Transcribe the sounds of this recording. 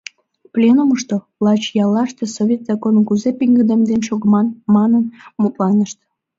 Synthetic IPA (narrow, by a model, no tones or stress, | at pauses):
plʲenuməʃt̪oβlɑt͡ɕjɑlɑʃt̪esoβʲet̪z̥ɑkonkuzepiŋɡəd̪emd̪enʃoɣəmɑnmɑnənmut̪lɑnəʃt̪